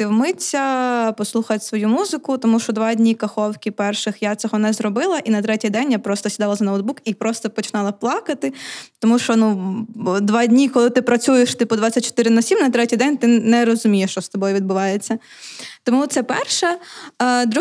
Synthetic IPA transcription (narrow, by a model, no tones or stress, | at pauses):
tɪwmɪtʲsʲɐpɔslˠuxɐt̪ʲsʋɔjumuzɪkʊt̪ɔmuʃt͡ʃɔd̪ʋɑdʲnʲikɐxɔwkʲipɛrʃɪxjat̪sɔɦɔnɛzɾɔbɪlˠɐʔinɐt̪ɾɛtʲijd̪ɛnʲjapɾɔst̪ɔsʲid̪ɑlˠɐzɐnɐwd̪̚bukipɾɔst̪ɔpɔt͡ʃɪ̥nɑlˠɐplˠɑkɐt̪ɪt̪ɔmuʃt͡ʃɔnu | d̪ʋɑdʲnʲikɔlˠɪt̪ɪpɾɐt͡sʲujeʃt̪ɪpʊd̪ʋat͡sʲːɐt̚ʲt͡ʃːɔ̥t̪ɪɾɪnɐsʲimnɐt̪ɾɛtʲijd̪ɛnʲt̪ɪnɛɾɔzʊmʲijɛʃt͡ʃɔst̪ɔbɔjʊʋʲid̪̚bʊʋɑjet͡sʲːɐ | t̪ɔmut̪sɛpɛrʃɛ | d̪ɾu